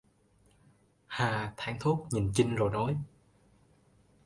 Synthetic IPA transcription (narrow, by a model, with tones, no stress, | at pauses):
haː˨˩t̪ʰaː˧˦ŋt̪ʰu˦˥k̚ɲi˨˩nt͡ɕi˧ŋzo˨˩jnɔ˨˦j